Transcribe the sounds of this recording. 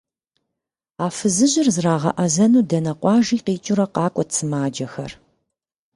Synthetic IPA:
aːfɨzɨʑɪrzraːʁɐ̰ʔɐzɐnuːdɐnɐqʷɑːʒiːqiːt͡ʃʼʊɾɐqɑːkʷʼɔt͡sʰɨmaːd͡ʒɐxɐ̰r

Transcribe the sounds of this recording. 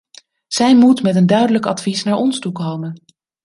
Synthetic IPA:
z̥ɛjmutmɛtəndœɥdələkɑ̰tfisnaːɹʔɔnstukowmən

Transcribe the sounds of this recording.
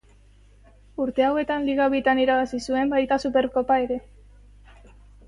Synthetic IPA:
uɾt̪e̞awe̞t̪anliɣaβit̪aniɾaβasisue̞mbajt̪asupe̞ɾko̞pae̞ɾe̞

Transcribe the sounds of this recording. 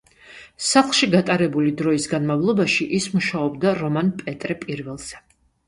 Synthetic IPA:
saχχʃiɡat̪ʼaɾɛbulid̪ɾɔisɡanmavlˠɔbaʃiʔismuʃaɔbd̪aɾɔmanpʼɛt̪ʼɾɛpʼiɾvɛlˠz̥ɛ

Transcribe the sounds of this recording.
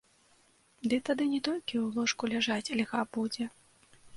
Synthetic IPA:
d̪ɨt̪ad̪ɨnʲɛt̪ɔlʲkʲiulˠɔʂkulʲaʐat͡sʲɐlʲɣabud͡zʲɛ

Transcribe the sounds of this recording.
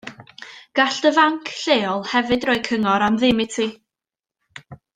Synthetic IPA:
ɡ̥aɬd̥əvaŋkʰɬeːɔlˠhɛvɨdrɔɨkʰəŋɔɾamðɪmɪtʰi

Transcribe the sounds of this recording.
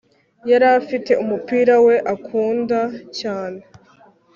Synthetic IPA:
jaɾafite̞umupiːɾawe̞ʔakʰuːndacaːne̞

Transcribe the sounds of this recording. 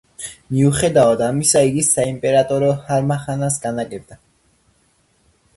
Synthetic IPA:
miuχɛd̪aad̪amisaiɡisaimpʼɛɾat̪ʼɔɾɔhaɾmaχanasɡanaɡʼɛbd̪a

